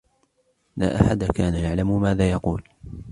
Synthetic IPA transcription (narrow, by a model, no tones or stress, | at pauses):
laːʔaħad̪akaːnajaʕlammaːðaːjɑquːl